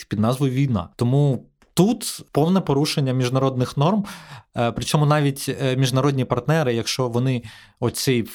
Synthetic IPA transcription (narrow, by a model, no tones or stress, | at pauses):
pʲid̪nɑzʋɔjʊʋʲijnɑ̰t̪ɔmu | t̪ut̪pɔwnɛpɔɾuʃenʲːɐmʲiʒnɐɾɔd̪nɪxnɔrmpɾɪt͡ʃɔmʊnɑʋʲitʲmʲiʒnɐɾɔdʲnʲipɐrt̪nɛɾɪjɐkʃt͡ʃɔʋɔnɪ | ɔt̪ʲsɛj